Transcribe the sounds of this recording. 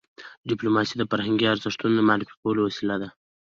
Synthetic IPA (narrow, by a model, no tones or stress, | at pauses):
ɖiplomɑsid̪əfaɾhaŋɡiaɾzɪʂt̪unod̪əmaɑɾifi̥kawəlowasilad̪a